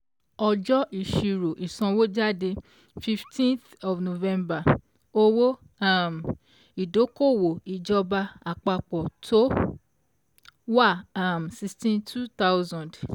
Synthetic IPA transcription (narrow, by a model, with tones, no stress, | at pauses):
ɔ˧d͡ʒɔ˦ʔi˨ʃi˧ɾo˨ʔi˨sɔ̃˧wo˦d͡ʒa˦de˧ | fi˧ftʰĩ˦nθ | ɔ˨vno˨vɛ̃˧mba˨ | o˦wo˦ | a˦˨m˨ | i˨do˨˦ko˦˨wo˨i˨d͡ʒɔ˧ba˧a˨k͡pa˧k͡pɔ˨tʰo˦ | wa˦˨a˦˨m̩˨si˧stĩ˦ntʰu˦ta˦wzã˨d